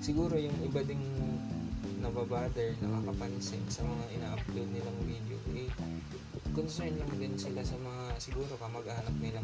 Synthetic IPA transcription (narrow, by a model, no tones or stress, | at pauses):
sɪɡuːɾo̞jʊŋʔɪbad̪ɪŋ | nɐbabaːd̪ɛɹnɐkɐkɐpɐnsɛnsɐmɐŋaʔɪnaːʔɐb̚t̪od̪̚nɪlaŋvid̪o̰ʔɛ | konsɛɹnlɐŋd̪ɪnsɪlasɐmɐŋasɪɡuːɾo̞pɐmɐɡʔahɐnɐp̚nɪlaŋ